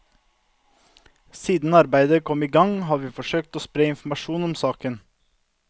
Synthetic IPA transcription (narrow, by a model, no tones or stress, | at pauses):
siːd̪n̩ɑɾbæɪd̪əkʰɔmiːɡɑŋhɑːʋiːfɔʃøːk̚t̪oːspɾeːɪnfm̩ɑʃuːnɔmsɑːkən